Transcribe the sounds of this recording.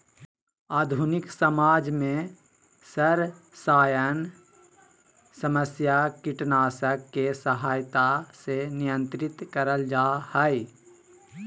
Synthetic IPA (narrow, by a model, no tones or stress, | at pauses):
aːd̪ʱunɪksəmaːd͡ʒmẽ | səɾ | saːjən | səməsjakɪʈnaːsəkːesəɦaːjt̪asenɪjə̃nt̪ɾɪt̪kəɾəld͡ʒaːhɛi